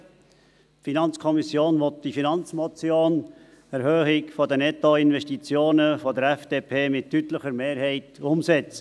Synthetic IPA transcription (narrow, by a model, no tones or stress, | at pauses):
tfinɑnt͡skʰɔmisjoːnʋɔt̪̚d̥ifinɑnt͡smɔt͡sjoːn | ɛɾhøːχɪkfɔd̪ənɛt̪ɔɪnvɛʃtit͡sjoːnəfɔd̪əɾɛfd̥eːpʰeːmɪttːytləχəɾmeːɾhɛɪt̪ʊmsɛt͡sə̥